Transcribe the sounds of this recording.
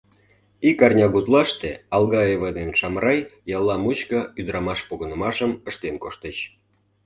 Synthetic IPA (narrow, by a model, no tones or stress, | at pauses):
ikɑrnʲɑɣut̪lɑʃt̪eɑlˠɣɑeβənenʃɑmrɑjjɑlˠːɑmut͡ɕkəyd̪əɾɑmɑʃpoɣə̆nəmɑʃəməʃt̪enkoʃt̪əɕ